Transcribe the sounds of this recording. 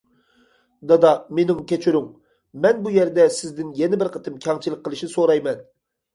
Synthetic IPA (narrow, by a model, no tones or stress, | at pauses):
d̪ɑd̪ɑmenɪŋkʲʰɛt͡ʃʰyɾyŋ | mɛnbujɛɾd̪ɛsɪzd̪ɪnjɛnɪbɪɾqʰət̪ʰɨmkʲʰɑŋt͡ʃʰilˠəqʰːəlˠɨʃnɪsoɾɑjmɛn